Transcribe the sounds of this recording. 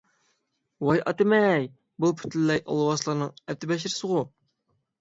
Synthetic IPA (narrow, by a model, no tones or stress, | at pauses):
wɑjʔɑ̰t̪ɪmɛj | bulˠpʰy̥t̪llːɛjʔɑ̰lˠɨwɑslˠɑɾnɨŋɛp̚t̪ʰɪbɛʃ̬ɪɾɪsɨʁʊ